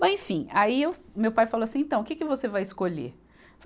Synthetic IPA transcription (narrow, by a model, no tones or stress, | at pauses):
mɐẽfĩaiewmewpajfaloasĩẽnt̪ɐ̃w̃ʊkɪkɪvosevajɪskoʎḛ | v